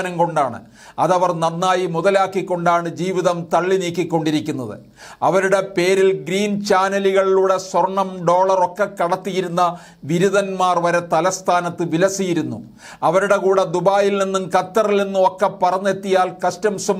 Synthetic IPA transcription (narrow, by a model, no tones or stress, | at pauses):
nɐmko̞ɳɖaːɳɨ̰ | ɐðɐʋɐrnɐnːaːjimuðɐlaːkːikːo̞ɳɖaːɳɨd͡ʑiːʋiðɐmt̪ɐɭːiniːkːikːo̞ɳɖiɾikʲːunːɐðɨ̰ | ɐʋɐɾuɽe̞pe̞ːɾilɡɾiːnt͡ɕaːnɐliɣɐɭiluɽe̞swɐrɳɐmɖo̞ːɭɐro̞kːe̞kːɐɽɐt̪ːijiɾunːɐ | ʋiɾuðɐnmaːrʋɐɾet̪ɐlɐst̪ʰaːnɐt̪ːɨʋilɐsijiɾunːṵ | ɐʋɐɾuɽe̞kuːɽe̞d̪ubaːjilninːumkɐt̪ːɐrilninːumo̞kːepːɐrɐɲːe̞t̪ːijaːlkɐʂtɐmsɐm